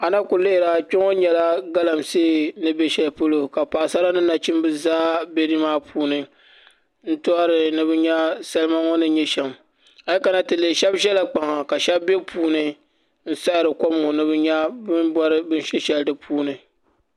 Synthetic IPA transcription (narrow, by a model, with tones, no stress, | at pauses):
a˨na˦kʊ˨le˦ʔɪ˨ɾa˨kʊ˦ŋo˦ɲɛ˨la˦ɡa˦la˨mseː˦˨nɨ˦be˦ʃɛ˨lpo˦lo˨ka˨paː˨sa˦la˦nɨ˦na˨t͡ʃɪ˦mbɨ˦zaː˦be˦ɾi˦maː˦pʰuː˦nɨ˨ | n̩˦tʊ˦a˦ɾɨ˨nɨ˦bɨ˦ɲɛ˦sa˦lɨ˦ma˦ŋɔ˦nɨ˦ɲɛ˦ʃɛ˨m | a˨lka˨na˦tɨ˨lɨ˨ʃɛ˦bʒɛ˦la˨k͡pa˨ŋa˨ka˨ʃɛ˦bbe˦pʰuː˦nɨ˨ | n̩˦sa˦ɾɨ˨kɔ˦m˨ŋo˨nɨ˦bɨ˦ɲɛ˦bɨ˦nbɔ˦ɾɨ˦bɨ˦nʃɛ˦ʃɛ˦ldɨ˨pʰuː˦nɨ˨